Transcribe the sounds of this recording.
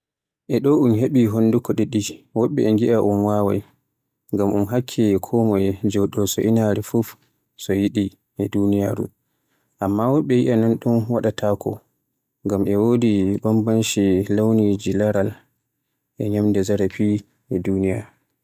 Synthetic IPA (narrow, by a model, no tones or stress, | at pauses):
ʔɛɗɔunɦeɓiɦondukɔɗɛɗiwɔɓːɛɛŋɡiʔaʔunwawa̰j | ŋɡamʔunɦakʰːɛkʰɔmɔjɛd͡ʒɛwɗɔsɔʔinaɾifuf | sɔjiɗi | ʔɛdunijaɾṵ | ʔamːawɔɓːɛjiʔananɗumwaɗatʰakʰɔ̰ | ŋɡamɛwodibambanʃilawnid͡ʒilaɾal | ʔɛɲamdɛzaɾapi | ɛdunija